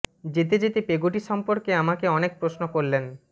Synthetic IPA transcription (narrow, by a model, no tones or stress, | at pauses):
d͡ʑet̪ed͡ʑet̪epeɡoʈiʃɔmpoɾkeamakeɔnek̚pɾosnokoɾlen